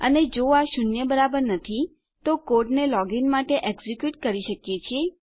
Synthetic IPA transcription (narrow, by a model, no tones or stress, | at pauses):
əned͡ʒoaʃʊnjəbəɾabəɾnət̪ʰi | t̪okoɾɖnelɔɡinmaʈeʔeɡzikjuʈkəɾiʃəkjet͡ʃʰie